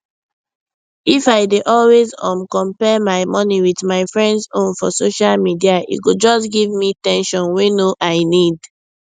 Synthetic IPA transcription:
ifaɪdeʔɔlwezɔ̰̃mkɔ̃mpɛmaɪmɔniwiðmaɪfɹɛ̃ndsõnfɔsoʃalmidiaʔḭɡod͡ʒɔsɡivmitɛ̃nʃɔ̃nwenoʔaɪnid

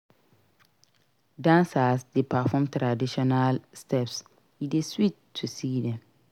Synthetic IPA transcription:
dãnsasdepafɔ̃mtɾadiʃɔnalstɛps | ideswitʰːusidɛ̃m

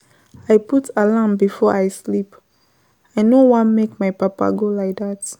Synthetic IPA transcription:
ajputʰəlãmbifɔʔajslip | ajnowãnmekmajpapa̰ɡolajk̚ðat

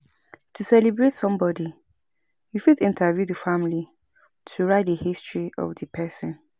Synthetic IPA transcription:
tʰusɛlibɹetsɔ̃mbɔdi | jufidɪ̃ntʰavjudəfamli | tʰuɹaɪt̚dəhistɹiʔɔ̰vdəpʰɛsɔ̃n

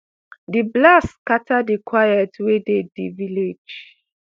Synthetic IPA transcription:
diblaskatʰadikwajɛtwedediviled͡ʒ

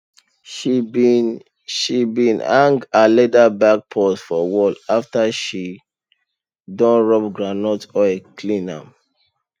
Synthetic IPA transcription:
ʃibĩnãŋɡalɛdabak̚pʰɔtfɔwɔlaftaʃi | dɔ̃nɹɔp̚ɡɹanɔtɔekʰlĩnã̰m

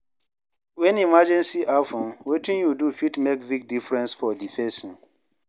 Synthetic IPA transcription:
wɛ̃nimad͡ʒɛ̃nsiʔafɔ̃mwetĩnjudufitmekvik̚difɹɛ̃nsfɔdifɛ̃sĩŋ

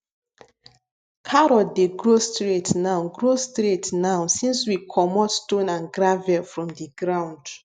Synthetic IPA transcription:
kʰaɹɔdeɡɹostɹetnaʊɡɹostɾetnaʊsĩnswikʰɔmɔtstõnãnɡɹavɛfɹɔ̃mdiɡɹãʊ̃nd

